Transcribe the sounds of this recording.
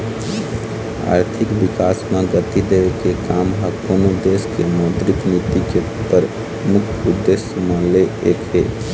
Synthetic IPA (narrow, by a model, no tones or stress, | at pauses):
a̰ːɾt̪ʰɪkʋɪkaːsmãɡət̪id̪ekekaːmɦəkoːnod̪eːskemɔːd̪ɾɪknit̪ikeupəɾ | mʊkʰʊd̪ːesjəmãleeːkɦeː